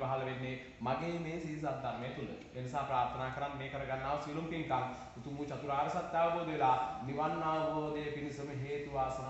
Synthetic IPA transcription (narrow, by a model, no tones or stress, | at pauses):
ʋaɦɐlɐʋenːe | maɡeːmeːsiːs̬at̪d̪aɾmeːt̪ulə̰ | enisaːpɾaːɾt̪ʰɐnaːkɐɾanːeːkəɾɐɡanːaːʋsilumpiŋkaŋ | ut̪umut͡ʃɐt̪uɾaːɾɐsat̪ːjaːʋɐboːd̪eelaniʋannaːʋɐboːd̪eːpinisɐmɦeːt̪uʋaːsɐ